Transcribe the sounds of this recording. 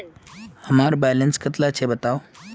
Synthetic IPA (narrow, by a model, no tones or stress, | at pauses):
həmaɾbɛlənskət̪lat͡ɕʰebət̪aw